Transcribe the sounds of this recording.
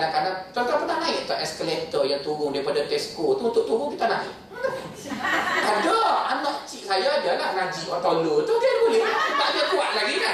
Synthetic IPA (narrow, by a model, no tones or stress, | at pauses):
akadat͡ʃɔt̪apədanaɪʔt̪aʔɛskəlɛnt̪əjaŋt̪uɾʊŋdaɾipadat̪ɛskot̪uunt̪ʊʔ̚t̪uɾʊŋkit̪ana̰ɪ̰ʔ | adaanɔʔt͡ʃiʔsajadalahŋad͡ʒiwat̪alot̪ukit̪abulɛhab̪aɲakuaʔ̪̚laɡia